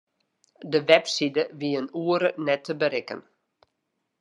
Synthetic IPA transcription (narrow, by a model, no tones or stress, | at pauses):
dəʋɛpsidəʋiənuəɾənɛtʰːəbəɾɪkə̰n